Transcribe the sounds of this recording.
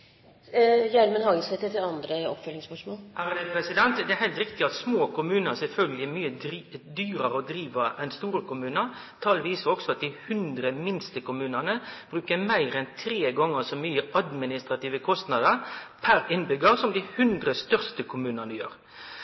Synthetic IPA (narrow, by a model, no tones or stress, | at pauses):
jæɾmənhɑɡəsɛt̪ːət̪ɪlɑnd̪ɾəɔ̰pfœlːɪŋspœʂmoːlæʁd̪ɛpʰɾɛsɪd̪ɛnt̪d̪ɛæɾɦæɪt̪ɾɪkt̪ɪɑt̪smoːkʰʊmʉːnəsɛlfœlɡəlɪæmyːəd̪yːɾəɾəɔd̪ɾiːʋəɛnst̪uːɾəkʊmʉːnəɾ | t̪ʰɑlʋiːsəɔksɔɑt̪̚d̪ɪhʉnd̪ɾəmɪnst̪əkʊmʉːnənəb̥ɾʉːkəmæɪɾɛnt̪ʰɾeːɡɔŋːəsɔmyːəʔɑd̪mɪnɪst̪ɾɑt̪iːʋəkʰɔst̪nɑd̪əɾpʰæɾɪnbʏɡəʁsɔmd̪ɪhʉnd̪ʁəst̪œʁst̪əkʰʊmʉːnənəjøːʁ